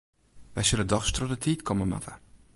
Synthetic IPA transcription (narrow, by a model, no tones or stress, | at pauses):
ʋɛjsølədɔxstrɔtətʰiːtkʰɔməma̰tʰə